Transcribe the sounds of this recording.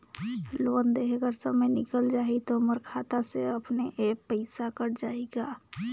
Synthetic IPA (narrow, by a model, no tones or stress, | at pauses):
lond̪eɦeɡəɾsəmejnɪkəld͡ʒaːɦit̪oməɾkʰat̪aseəpneʔepəɪsakəɾd͡ʒaːeɡa